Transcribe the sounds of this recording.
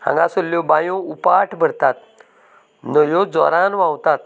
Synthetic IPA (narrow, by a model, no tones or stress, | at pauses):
hã̰ŋɡasolːjɔbãjõupaʈʰbʱəɾt̪at̪̚ | nəjod͡zɔ̰ɾanʋãwt̪at̪̚